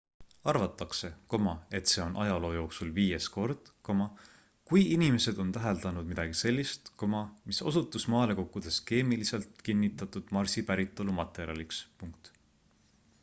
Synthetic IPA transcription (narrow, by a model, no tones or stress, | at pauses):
ɑrvɑt̪ːˑɑkse̞ko̞mɑe̞t̪se̞ːo̞nʔɑjɑlo̞ːjo̞ːksulviːje̞sko̞rd̪̥ko̞mɑ | kujinime̞se̞d̪̥o̞nt̪æɦeld̪̥ɑnud̥̪̚mid̪ɑɡ̥ise̞lʲːist̪ko̞mɑmiso̞̰sut̪ːˑusmɑːle̞ko̞kːˑud̪̥e̞ske̞ːmilise̞lt̪kinːit̪ːˑɑt̪ːˑud̪̥mɑrsipæɾit̪ːˑo̞lumɑt̪ːˑe̞ɾḭɑlikspuŋk̚t̪